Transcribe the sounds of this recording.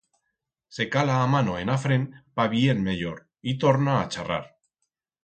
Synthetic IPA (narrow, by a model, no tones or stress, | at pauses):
se̞kalaːmanoenafɾempaβienmeʎoɾ | it̪o̞ɾnaːt͡ʃara̰ɾ